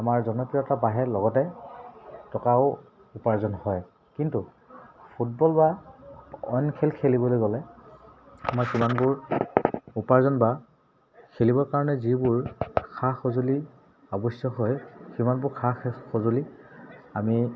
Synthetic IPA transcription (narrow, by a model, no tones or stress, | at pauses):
amaɹzɔnɔpɹiɔɛtabaɦɛlɔɡɔtɛ | tɔkaʊ | upaɹzɔnhɔj | kintu | pʰut̚bɔlba | ɔ̰jnkʰelkʰelibɔlojɡɔlɛ | a̰makimanbʊɹ | upaɹzɔnba | kʰelibɔɹkaɹɔnɛzibʊɹkʰaxozuli | ɔbɔsjɔɦɔjkimanbʊɹkʰaxxozoli | ami